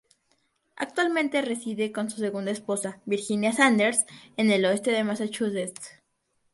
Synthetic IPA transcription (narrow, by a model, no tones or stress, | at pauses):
a̰k̚t̪walmẽnt̪e̞re̞siðe̞ko̞nsu̥se̞ɣũnd̪aespo̞saβiɾxinjasand̪eɾse̞ne̞loe̞st̪e̞ðemasat͡ʃusest